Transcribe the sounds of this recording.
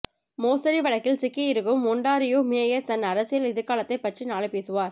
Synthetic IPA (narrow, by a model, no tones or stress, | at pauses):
moːsɐɾiʋɐɭɐkːɪlsɪkːɐjɪɾɯɣɯmʊɳɖaːɾɪjoːmɪjɐjɐt̪ɐnːɐɾɐsɪjɐlɪðɯɾkaːlɐt̪ːɐɪpːɐʈrinaːɭɯpeːsɯʋaːɾ